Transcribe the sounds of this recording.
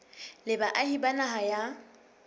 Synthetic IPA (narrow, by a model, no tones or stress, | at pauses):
lɪbaʔahibanaɦaja